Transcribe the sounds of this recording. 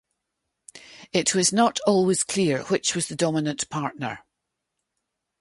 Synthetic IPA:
ɪʔwɔznəʔɔlˠwɪz̥kʰl̥iɹw̥ɪt͡ʃwɔz̥ðədɔmɪnə̃npʰaɹʔnə̰˞

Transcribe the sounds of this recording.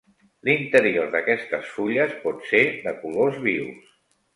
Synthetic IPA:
lint̪əɾioɾðəkɛst̪əsfuʎəspɔt̪seðəkulozβiws

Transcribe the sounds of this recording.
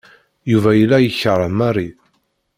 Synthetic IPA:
juvæjəlːæjəçəɾˤəmarˤi

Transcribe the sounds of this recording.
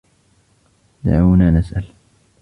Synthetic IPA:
d̪a̰ʕuːnaːnasʔal

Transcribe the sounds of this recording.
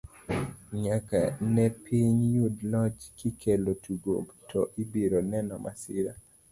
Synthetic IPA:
ɲaka̰nɛpʰiɲjudlɔt͡ʃkikʰelotuɡo̰btʰɔʔibiɾonɛnɔmʔasɪɾa

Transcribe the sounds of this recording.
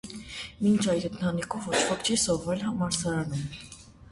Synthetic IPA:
mint͡ʃʰɑjɾənt̪ʰɑnikʰɔvɔt͡ʃʰvɔkt͡ʃʰisɔvɑlhɑmɑɾsɑɾɑnum

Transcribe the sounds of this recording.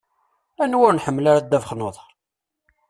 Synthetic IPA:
ænwʊɾnħəmːlaɾad̪ːævχnoðˤɑɾ

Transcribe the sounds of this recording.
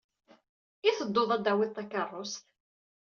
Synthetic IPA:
iθəd̪ːoðˤæd̪ːæwiðt̪ˤːɑkɑrˤːost̪

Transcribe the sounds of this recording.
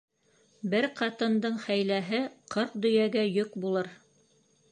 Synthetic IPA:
bɘɾqɑt̪ɤ̆nd̪ɤɴχæjlæɦɘqʰɤɾq̚d̪ɵ̆jæɡæjɵkbulˠɤɾ

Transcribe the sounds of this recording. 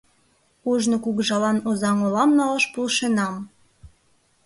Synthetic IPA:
oʒnokuɣʒɑlɑnozɑŋolɑmnɑlɑʃpulʃenɑm

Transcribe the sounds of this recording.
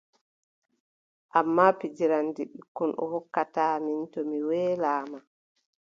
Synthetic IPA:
ʔamːaːpid͡ʒiɾandiɓikːɔnʔɔ̰hɔkːataːmintɔmiwɛːlaːma

